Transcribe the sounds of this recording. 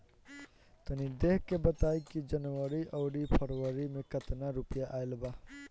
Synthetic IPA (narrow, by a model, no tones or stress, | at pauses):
t̪ənid̪eɦkebət̪ajkid͡ʒənwəɾiʔəʊɽipʰəɾwəɾimekət̪naɾupjaʔajlba